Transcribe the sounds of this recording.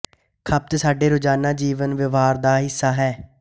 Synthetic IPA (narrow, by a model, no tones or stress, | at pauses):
kʰəp̚t̪saːɖeːɾʊd͡ʒaːnãːd͡ʒiːʋənʋɪʋaːɾd̪aːɦɪsːaːɦɛː